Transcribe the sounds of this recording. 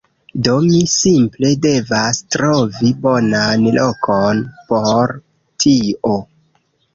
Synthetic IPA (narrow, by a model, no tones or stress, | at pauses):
do̞misimple̞de̞vastɾo̞vibo̞nanlo̞kʰonpoɾ | tʰio